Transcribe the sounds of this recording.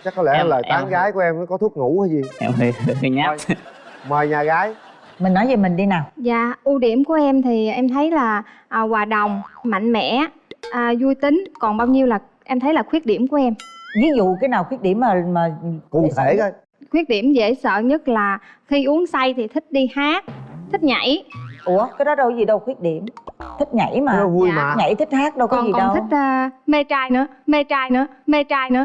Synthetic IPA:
t͡ɕa˦˥k̚kɔ˨˦lɛ˧˩˧ləː˨˩t̪aː˨˦ŋɣaː˨˦jku˧˩əʔɛ˧mnə˨˦kɔ˨˦t̪ʰu˦˥k̚ŋṵ˧˥əː˨˦zi˨˩ʔɛ̰˧˨˩i˨˩ɲa˦˧ | məː˨˩jɲaː˨˩ɣaː˨˦j | mi̟˨˩nːɔ˨˦jzi˨˩mï˨˩ŋ̟ɗi˧naː˨˩wza̰ː˧˨ʔu˧ɗi˧˩əmku˧˩˦əʔɛ˧mt̪ʰi˨˩ʔɛ˧mt̪ʰə˨˦jlaː˨˩ʔːwaː˨˩ɗə˨˩wŋ͡mma̰˧˨ŋ̟mɛ̰˧˨ | ʔəː˨˩zu˧jt̪ï˨˦ŋ̟kɔ˨˩nɓaː˧wɲi˧əwlaː˨˩ | ʔɛ˧mt̪ʰə˨˦jlaː˨˩xwi˦˥ət̚ɗi˧˩əmku˧˩˦ʔɛ˧mvi˨˦zṵ˧˨kaː˨˦jnaː˨˩wkxwi˦˥ək̚ɗi˧˩əmːaː˨˩maː˨˩kʊ̰˧˩ŋ͡mt̪ʰe˧˩˨ə˧j | xwi˦˥ək̚ɗi˧˩əmzḛ˧˩sə̰ː˧˨ɲə˦˥t̚laː˨˩xi˧ʔu˨˦əŋsa˧jt̪ʰi˨˩t̪ʰï˦˥k̟̚ɗi˧haː˦˥k̚t̪ʰï˦˥k̚ɲa̰˧˩jʔu˧˩əkaː˨˦jɗɔ˨˦ɗə˧wzi˨˩ɗə˧wxwi˦˥ət̚ɗi˧˩˨əmt̪ʰï˦˥k̟̚ɲa̰˧˩˦jmaː˨˩˨jɲa̰˧˩jt̪ʰi˦˥k̟̚haː˦˥k̚ɗə˧wkɔ˨˩˦zi˨kɔ˩ɗə˧˩n˧w̪ï˦˥k̚ʔːme˧t͡ɕaː˧jnɨ̰˧˥əme˧t͡ɕaː˧jnɨ̰˧˥əme˧t͡ɕaː˧jnɨ̰˧ə˦

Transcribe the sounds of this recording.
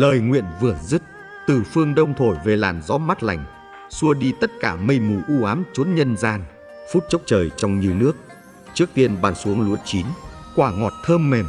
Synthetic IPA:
ləː˨˩jŋwḭ˧˨ənvɨ˨˩əzɨ˦˥t̚ | t̪ɨ˨˩fɨ˧əŋɗə˧wŋ͡mt̪ʰo˧˩jve˨˩la̰ː˨˩nzɔ˨˦ma˦˥t̚la˧˩jŋ̟ | su˧əɗi˧t̪ə˦˥t̚kaː˧˩mə˧jmu˧˩jʔu˧ʔaː˨˦mt͡ɕo˨˦nɲə˧nzaː˧n | fu˦˥t̚t͡ɕə˦˥wk͡p̚t͡ɕəː˨˩jt͡ɕɔ˧wŋ͡mɲi˧əwnɨ˦˥ək̚ | t͡ɕɨ˦˥ək̚t̪i˧ənɓaː˨˧˩nsu˨˦əŋlṵ˧˥ənt͡ɕi˨˦nkwaː˧˩ŋɔ˨˩t̚t̪ʰəː˧mːɛ˨˩m

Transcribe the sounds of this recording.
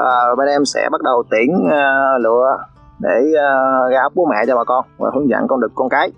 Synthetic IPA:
ʔəː˨˩˨ɓa˧nʔɛ˧msɛ̰˧˥ɓa˦˥t̚ɗə˨˩wt̪i˧˩ənəː˨˩lɨ̰˧˨ə | ɗeː˧˩˨ɣaː˦w̚k͡p̚ɓu˨˦mɛ̰˧˨t͡ɕɔ˧ɓaː˨˩kɔ˧nvaː˨˩hɨ˨˦əŋzə̰˧˨nkɔ˧nɗɨ˨˩əkːɔ˧nkaː˨˦j

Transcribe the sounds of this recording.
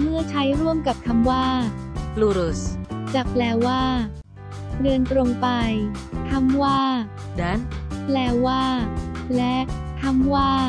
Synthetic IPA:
mɯ˥˩ɐt͡ɕʰa˦˥jɾu˥˩əmka˨˩p̚t̪ʰa˧mwaː˥˩pluː˧ɾu˨˩st͡ɕa˨˩p̚plɛː˧˩waː˥˩ | ɾɯ˧ənt̪ɾo˧ŋpa˧jt̪ʰa˧˥mwaː˥˩ | da˦˥nplɛː˧˩waː˥˩lɛ˦˥ | t̪ʰa˧˥mwaː˥˩

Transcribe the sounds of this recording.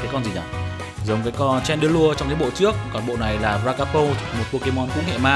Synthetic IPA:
kaː˨˦kɔ˧nzi˨˩nʔa˨˩ | zə˨˦wŋ͡mkaː˨˦jkɔ˧nt͡ɕɛ˧nɗɨ˧˦əlu˧ət͡ɕɔ˧wŋ͡mt̪i˨˦ɓo̰˧˨t͡ɕɨ˦˥ək̚kɔ˨˩nɓo̰˧˨na˨˩jlaː˨˩vaː˧kaː˧po˧t̪ʰi˨˩mo˨˩ku˧əke˨˦mɔ˨˦nkʊ̰˧˥ŋ͡mhɛ̰˧˨maː˧

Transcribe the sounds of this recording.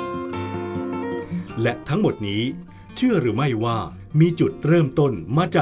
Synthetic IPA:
lɛ˦˥ʔt̪ʰa˦˥ŋmo˨˩t̪̚niː˦˥ | t͡ɕʰɯ˥˩ɐɾɯː˩˦ma˥˩jwaː˥˩ | miː˧t͡ɕu˨˩t̪̚ɾɤː˥˩mt̪o˥˩nmaː˧t͡ɕaː˨˩

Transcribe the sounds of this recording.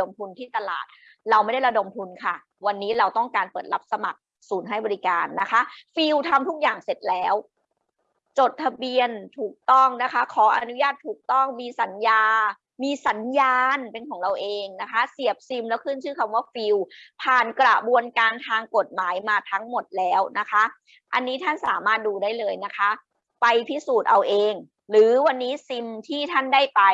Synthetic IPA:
o˧mt̪ʰu˧nt̪ʰiː˥˩t̪a˧la̰ː˨˩t̪̚ | ɾa˧wma˥˩jda˥˩ɾa˧do˧mt̪ʰu˧nkʰa˥˩ | wa˧nːiː˦˥ɾa˧wt̪ɔ˥˩ŋkaː˧npɤː˨˩t̪̚la˦˥p̚sa˧ma˨˩k̚ | suː˩˦nɦa˥˩jbɔː˧ɾi˦˥kaː˧nːa˦˥kʰa˦˥ʔfi˧wt̪ʰa˧mt̪ʰu˦˥k̚jaː˨˩ŋse˨˩t̪̚lɛː˦˥w | t͡ɕo˨˩t̪̚ʰːa˧bi˧ənt̪ʰuː˨˩k̚t̪ɔ˥˩ŋna˦˥kʰa˦˥kʰɔː˩˦ʔa̰˧nu˦˥jaː˥˩t̪ʰːuː˨˩k̚t̪ɔ˥˩ŋmiː˧sa˩˦njaː˧ | miː˧sa˩˦njaː˧npe˧nkʰɔː˩˦ŋɾa˧wʔeː˧ŋna˦˥kʰa˦˥si˨˩əp̚si˧mlɛː˦˥wkʰɯ˥˩nt͡ɕʰɯː˥˩kʰa˧mwaː˥˩fi˧wpʰaː˨˩nkɾa˨˩bu˧ənkaː˧nt̪ʰaː˧ŋko˨˩t̪̚maː˩˦jmaː˧t̪ʰa˦˥ŋmo˨˩t̪̚lɛː˦˥wna˦˥kʰa˦˥ʔ | ʔa˧nːiː˦˥t̪ʰa˥˩nsaː˩˦maː˥˩t̪̚duː˧daː˥˩jlɤː˧jna˦˥kʰa˦˥ʔ | pa˧jpʰi˦˥˩suː˨˩t̪̚ʔa˧wʔeː˧ŋ | lɯː˩˦wa˧nːiː˦˥si˧mt̪ʰiː˥˩t̪ʰa˥˩ndaː˥˩jpa˧j

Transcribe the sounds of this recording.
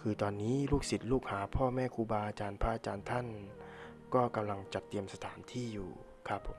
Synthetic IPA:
kʰɯː˧t̪ɔː˧nːiː˦˥luː˥˩k̚si˨˩t̪̚luː˥˩k̚haː˩˦pʰɔː˥˩mɛː˥˩kʰuː˧baː˧ʔa˧t͡ɕaː˧npʰaː˧ʔa˧t͡ɕaː˧nt̪ʰa˥˩n | kɔː˥˩ka˧mla˧ŋt͡ɕa˨˩t̪ːi˧əmsa˧t̪ʰaː˩˦nt̪ʰiː˥˩jṵː˨˩ | kʰa˦˥˩pʰːo˨˩˦m

